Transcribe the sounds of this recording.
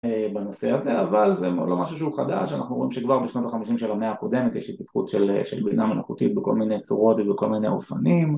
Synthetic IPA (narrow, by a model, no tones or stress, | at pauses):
ebano̞seazeavalzem̰lo̞maʃuʃeuχad̪a̰ʃana̰χnuʁo̞imʃekvaʁbeʃno̞t̪aχamiʃimʃelameaːko̞d̪emet̪jɛʃit̪̚pat̪χṵt̪ʃeleʃḛlbinamenoχut̪it̪̚beko̞̰lminejt͡suʁo̞t̪vebeko̞lminḛo̰fanim